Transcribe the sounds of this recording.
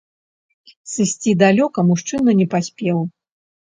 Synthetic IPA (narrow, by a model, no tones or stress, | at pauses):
sɨsʲt͡sʲid̪alʲɔkɐmuʂt͡ʂɨnunʲɛpasʲpʲɛw